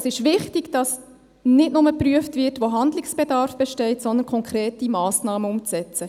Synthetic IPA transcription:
sɪʃʋɪχtiɡd̥ɑs | nɪdnʊməpryəftvɪtʋoɦɑndlɪksb̥ɛdɑɾfb̥ɛʃtɛɪtsɔnd̪ənkʰɔŋkʰɾeːtimɑːsnɑːməʊmt͡sɛt͡sə

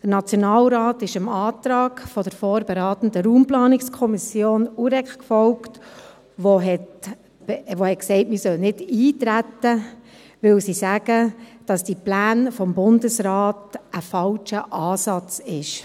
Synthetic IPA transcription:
d̥əɾnɑt͡sjonɑːlɾɑːtɪʃɪmɑːt̪ɾɑːkfɔdəɾfoːɾbeɾɑːt̪ən̩dəɾuːmplɑːnɪkskʰɔmɪsjoːnuɾɛkkfɔwkt | ʋoɦɛt | ʋohɛt̚ksɛɪtmisœlnɪdiːtɾætːə | ʋɪwsisæɡ̥əd̥ɑsd̥iplæːnfɔmbʊndəsɾɑːtəfɑlʃəʔɑːsɑt͡sɪʃ

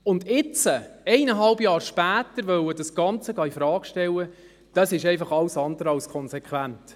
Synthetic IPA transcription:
ʊndɪt͡səɛɪnəɦɑlbjɑːɾʃpæːtəɾʋœwədɑsɡ̥ɑnt͡səɡɑːifɾɑːkʃtɛlːə | d̥ɑsɪʃɛɪfɑχɑlsɑnd̪əɾɑlskʰɔnsekʰʋænt

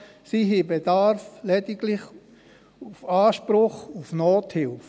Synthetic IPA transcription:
siɦibed̥aɾflɛdɪɡlɪχ | ufaːʃpɾʊχufnoːthɪlf

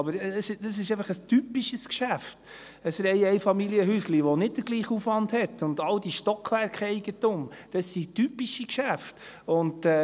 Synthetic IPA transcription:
ɑbəɾəsdɑsɪʃɛɪfəχəstypiʃəskʃæft | əsɾɛɪɛɪfɑmiliəɦysliʋɔnɪt̚d̥əɡliːχufʋɑndhɛtʊndɑld̥iʃtɔkʰʋæɾkχɛɪɡ̥ətʊmd̥ɑsːitypiʃikʃæft | ʊndɛ

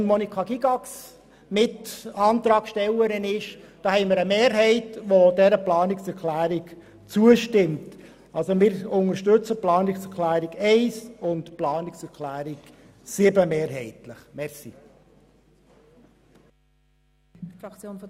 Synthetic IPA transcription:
nmɔnikʰɑɡiɡɑks | mɪtɑːnt̪ɾɑːkʃtɛləɾɪnɪʃd̥ɑːhɛɪməɾəmeːɾɦɛɪtʋodɛɾəplɑːnɪksɛɾkʰlæːɾik | t͡suəʃtɪmt | ɑlsomɪːɾʊŋəɾʃtɵt͡səplɑːnɪksɛɾkʰlæːɾiɡɛɪsʊntplɑːnɪksɛɾkʰlæːɾik | sɪbəmeːɾɦɛɪtləχmɛɾsḭ | fɾɑkt͡sjoːnf

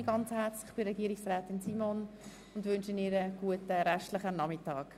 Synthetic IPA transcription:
iɡ̥ɑnt͡shɛɾt͡slɪχb̥ɪɾɛɡiəɾɪksrɛːtɪnsiːmon | ʊndʋʏnʃəniɾəɡ̥uətəɾɛʃtlɪχənɑmɪtɑːk

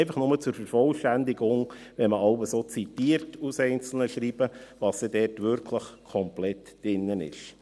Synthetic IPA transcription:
ɪfəχnʊmət͡sʊɾfəɾfɔlʃtænd̪ɪɡʊŋ | ʋɛnməɑʊbəsoːt͡sitiːəɾtusɛɪnt͡sl̩nəʃɾiːb̥əʋɑːsɛdɛːrtʋʏɾkʰləχkʰɔmplɛt | d̥ɪnːənɪ̰ʃ

